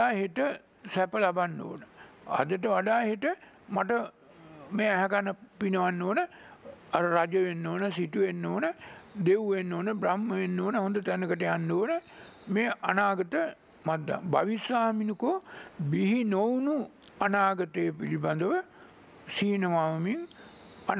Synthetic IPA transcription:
aaːɦeʈə | sæpəlabanːo̰ːnəa̰d̪əʈəʋaɖaːɦeʈə | maʈə | meːæɦɛkanəpinəʋanːoːnəaɾəɾad͡ʒəʋenːoːnəsit̪uʋenːoːnəd̪ewʋenːoːnəbɾamməʋenːoːnəɦond̪ət̪ænəkəʈejanːoːnə | meːʔanaːɡət̪ə | mad̪ːa̰baʋisaːminukobiɦinownu | anaːɡət̪əjəpiliband̪əʋə | siːnəʋaːʋmiŋ | a

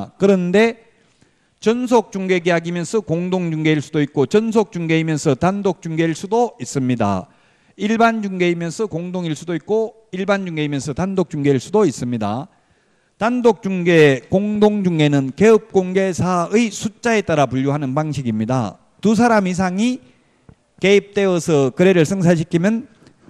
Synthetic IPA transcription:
kɯɾʌnde̞ | t͡ɕʌnsʰok̚t͡ɕ͈uŋɡe̞ɡeɦaɡimjʌnsʰʌkoŋdoŋd͡ʑuŋɡe̞iɭs͈udoik̚k͈ot͡ɕʌns̬ʰok̚t͡ɕ͈uŋɡe̞imjʌnsʰʌtandok̚t͡ɕ͈uŋɡe̞iɭs͈udois͈ɯmɲida̰ | iɭband͡ʑuŋɡe̞imjʌnsʰʌkoŋdoŋiɭs͈udoik͈o | iɭband͡ʑuŋɡe̞imjʌnsʰʌtandok̚t͡ɕ͈uŋɡe̞iɭs͈udois͈ɯmɲida̰ | tandok̚t͡ɕ͈uŋɡekoŋdoŋd͡ʑuŋɡe̞nɯnke̞ʌp̚k͈oŋɡe̞sʰaɯjsʰut͡ɕ͈ae̞t͈aɾapuʎːjoɦanɯnpaŋɕʰiɡimɲida̰ | tus̬ʰaɾamis̬ʰaŋi | ke̞ip̚t͈e̞ʌsʰɯkɯɾe̞ɾɯɭsʰɯŋs̬ʰaɕ̬ʰikʰimjʌn

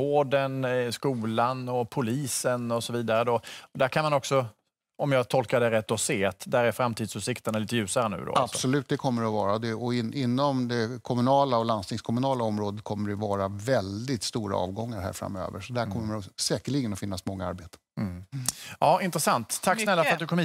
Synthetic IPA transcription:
oːɖənskuːlanɔpʰʊliːsənɔsɔviːd̪aɾəd̪ɔɔd̪æɾkʰanmanɔksɔ | ɔmjɑːɡt̪ʰɔlkaɖɛɾɛt̪ːɔseːat̪d̪æɾæɾfɾamːt̪ʰiːd̪sʉːsɪkt̪əɳaliːt̪əjʉ̟ːsaɾənʉ̟̰ːd̪ɔ̰ab̥sɔlʉ̟ːt̪d̪ɛkʰɔmːəɖɛɔvɑːɾad̪ɛɔɪnɪnːɔmd̪ɛkʰɔmɵnɑːlaɔlanst̪ɪŋskʰɔmɵnɑːlaɔmɾoːd̪ət̪̚kʰɔmːəɖɛvɑːɾavɛld̪ɪt̪st̪uːɾa̰ɑ̰ːvɡɔŋːaɾɦæ̰ɾfɾa̰mø̰ːvə̰ɾʂɔd̪æɾkɔmːəɛɔsɛːkəɭɪɡənɔfɪnːasmɔŋːaa̰ɾbeːt̪ə̥ | ɑːʔɪnt̪ɾəsant̪ʰːakːsnɛlːafəɾat̪d̪ɵkʰɔmhiː

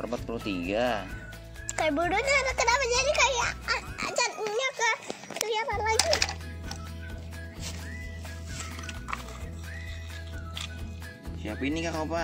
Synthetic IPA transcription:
ərbat̪̚pəlut̪iɡa | kajabudʊnat̪akənapad͡ʒanikajaaa̰t͡ʃanɲakəkəliapanlaɡi | siapinikakapa

